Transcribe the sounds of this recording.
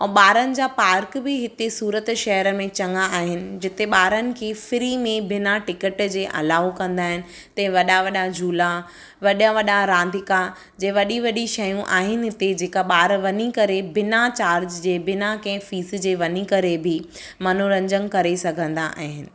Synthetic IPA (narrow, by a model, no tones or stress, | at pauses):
ɛ̃ːɓaːɾənɪ̆d͡ʑaːpaːɾkbɪɦɪt̪esuːɾət̪ʃɐɦəɾəmẽt͡ɕɐ̃ŋaaːɦɪnɪ̆d͡ʑɪt̪eɓaːɾənɪ̆kʰeːfɪɾimẽbɪnaʈɪkəʈd͡ʑeːʔɐ̰laːokɐ̃nd̪aːɦɪnɪ̆ | t̪ɐ̃ɦɪ̃ʋɐɗaʋɐɗad͡ʑʱuːla | ʋɐɗə̃ʋɐɗaɾãːnd̪ʱɪka | d͡ʑɐ̃ʋɐɗiʋɐɗiʃɐjũʔa̰ːɦɪnɪ̆ɦɪt̪ed͡ʑeːkaɓaːɾʋɐnikɐɾebɪnat͡ɕaːɾd͡ʑd͡ʑeːbɪnakɐ̃ɦɪ̃fiːsd͡ʑeːʋɐnikɐɾebʱɪ | mɐnoɾɐ̃ɲd͡ʑən̆kɐɾesɐɡʱə̃nd̪aʔa̰ːɦɪnɪ̆